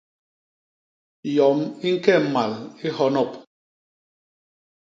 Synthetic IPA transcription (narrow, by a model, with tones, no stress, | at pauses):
jɔ˨mi˦ŋ̩˦kɛ˦˨ma˨li˦hɔ˦nɔ˦˨p̚